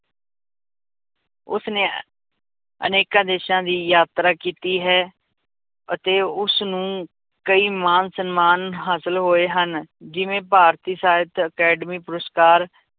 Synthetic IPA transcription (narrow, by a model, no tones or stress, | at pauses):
ʊ̰snẽː | ə̰neːkãːd̪eːʃãːd̪iːjaːt̪ɾaːkiːt̪iːɦɛː | ət̪eːʊsnũː | kəiːmaːnsənmaːnɦaːsəlɦoːeːɦənd͡ʒɪʋẽːpaːɾt̪iːsaːət̪əkɛːɖəmiːpʊɾəskaːɾ